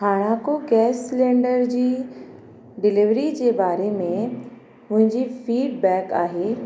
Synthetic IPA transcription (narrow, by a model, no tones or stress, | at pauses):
ɦaːɽ̃akoɡɛːsːlẽːɳɖəɾd͡ʑiː | ɖɪlɪʋɾid͡ʑeːbaːɾemẽ | ʊ̃ɦɪ̃ɲd͡ʑiːfiːɖ̚bɛːkaːɦeː